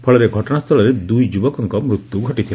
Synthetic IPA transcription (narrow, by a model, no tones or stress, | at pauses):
pʰɔɭɔɾeɡʱɔʈɔɽ̃ast̪ʰɔɭɔɾed̪ujd͡ʒubɔkɔŋkɔmɾut̪ːuɡʱɔʈit̪ʰila